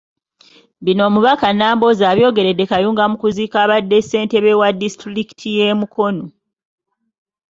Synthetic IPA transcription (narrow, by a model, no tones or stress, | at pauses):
βino̞ːmuβakanaːmbo̞zaːβjo̞ːɡe̞ɾe̞dːe̞kajuːŋɡamukuziːkaːβadːese̞ːnte̞βe̞wadistɾiki̥tʰije̞ːmukʰo̞no